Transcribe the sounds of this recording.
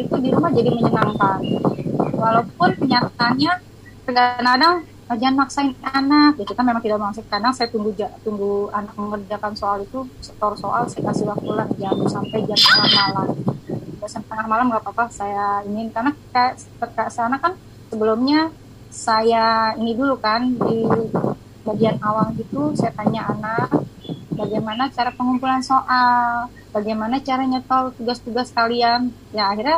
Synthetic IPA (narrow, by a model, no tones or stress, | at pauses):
it̪udiɾumahd͡ʒadiməɲənamkan | walaup̚ʊnəɲat̪aːnɲa | k̪əɡanadaŋ | ad͡ʒanaksaɪnanak̚d͡ʒak̪ukanmemaŋt̪idakmaŋs̬ukkadaŋsajat̪uŋɡud͡ʒat̪uŋɡuanak̚məŋərd͡ʒakansoalit̪usə̥t̪ɔrsoʔalsajakasiwakuland͡ʒamusampajd͡ʒamt̪əŋahmalamd͡ʒasant̪əŋahmalamɡaʔpapasajainɪnk̪anakka | t̪ərkasanakːan | səbəlʊmɲa | sajainidulukandi | baɡianawaŋɡit̪usajat̪aɲaʔanak̚baɡajmanat͡ʃaɾapəŋumpulansoʔal | baɡajmanat͡ʃaɾaɲət̪ɔrt̪uɡast̪uɡaskalian | jaːhirɲa